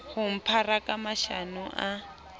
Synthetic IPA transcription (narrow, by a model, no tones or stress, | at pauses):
hum̩pʰarakamaʃanuʔa